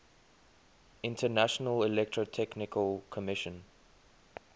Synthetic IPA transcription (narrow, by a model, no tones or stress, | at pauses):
ɪ̃ntʰənaʃənəlɪlɛk̚tʰɹotʰɛknɪkʰəlkʰɔmɪʃə̃n